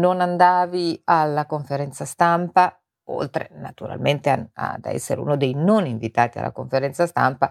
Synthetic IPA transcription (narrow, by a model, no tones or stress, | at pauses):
nonand̪aːvialːakoɱfeɾɛnt̪sast̪ampa | o̰lt̪ɾḛnat̪uɾa̰lment̪ea̰d̪ɛ̰sːḛɾeṵːnod̪ejnoniɱvit̪aːt̪ia̰lʔa̰koɱfeɾɛnt̪sast̪a̰mpa